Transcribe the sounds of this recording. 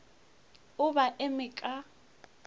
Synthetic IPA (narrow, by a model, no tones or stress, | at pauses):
ʊbaʔɪmɪkʼa